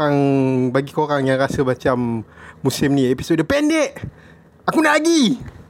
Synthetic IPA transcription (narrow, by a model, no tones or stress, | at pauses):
aŋbaɡikoɾaŋjaŋrasəmat͡ʃamːusɪmnĩepisodəpɛndɛʔ | akundaaɡi